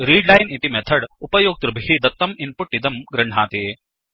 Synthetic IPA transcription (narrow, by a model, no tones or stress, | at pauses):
ɾiːɖlɐjnit̪imɛt̪ʰɐɽupɐjoːk̚t̪ɾubʱɦid̪ɐt̪ːɐminpuʈːid̪ɐmɡɾɐɳɖ̤ʱaːt̪eː